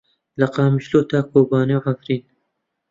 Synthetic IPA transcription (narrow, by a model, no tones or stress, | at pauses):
lɐqɑːmiʃloːt̪ʰaːkoːbaːnewʕafɾiːn